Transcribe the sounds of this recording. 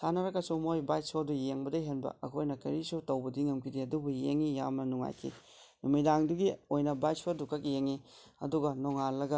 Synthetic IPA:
sʰanɐɾɐkːɐsumojbajsodujeŋbɐdɐɦenbɐ̰ɐkʰojnɐkɐ̰ɾisutɐwbɐdiŋɐmkʰidiɐdubujeŋːijamnɐnuŋa̰jkʰḭ | numidaŋduɡiojnɐbaj̚sodukɐk̬̚jeŋiɐ̰duɡɐnoŋalːɐɡɐ

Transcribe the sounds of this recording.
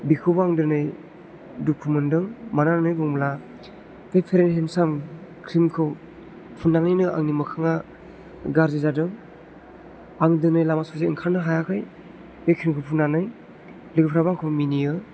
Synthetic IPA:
bikʰɯbaŋdɯnɯj | dupʰumɯndɯŋmanananɯjbɔŋmla | pʰepʰeɾenɦensamkʰɾimkʰɯw | pʰunːanɯjnɯʔa̰ŋnimɯkʰaŋa | ɡaɾzizadɯŋ | aŋdɯnɯjlamasɔzeiŋkʰaɾnɯɦajakʰɯj | bekʰɾimkʰɯwpʰunːanɯj | liɡɯpʰɾabaŋkʰɯminijɯ

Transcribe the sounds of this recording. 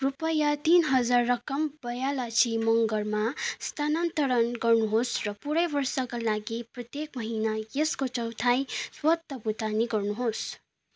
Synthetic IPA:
rupʌjat̪inɦʌd͡zarːʌkʌmbʌjalat͡sʰimʌŋɡʌrmast̪ʰanant̪ʌɾʌnɡʌrnuɦosrʌpuɾʌjbʌrsʌkalaɡiprʌt̪jek̚mʌɦinajeskot͡sʌwt̪ʰajswʌt̪ːʌbut̪aniɡʌrnuɦos

